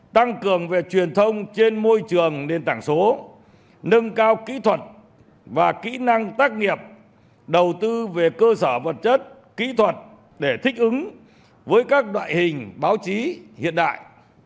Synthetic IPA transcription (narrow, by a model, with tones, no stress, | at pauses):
t̪a˧ŋkɨ˨˩əŋve˨˩t͡ɕwi˨˩ənt̪ʰə˧wŋ͡mt͡ɕe˧nmo˧jt͡ɕɨ˨˩əŋne˧nt̪aː˧˩ŋso˨˦ | nɨ˧ŋkaː˧wkḭ˧˥t̪ʰwə˨˩t̚ | vaː˨˩kḭ˧˥na˧ŋt̪aː˦˥k̚ŋi˨˩əp̚ | ɗə˨˩wt̪ɨ˧ve˨˩kəː˧səː˧˩və˨˩t̚t͡ɕə˦˥t̚ | kḭ˧˥t̪ʰwə˨˩t̚ | ɗe˧˩t̪ʰï˦˥k̟̚ʔɨ˨˦ŋ | vəː˨˦jkaː˦˥k̚ɗwa̰ː˧˨jhï˨˩ŋ̟ɓaː˨˦wt͡ɕi˨˦hḭ˧˨ənɗa̰ː˧˨jʔ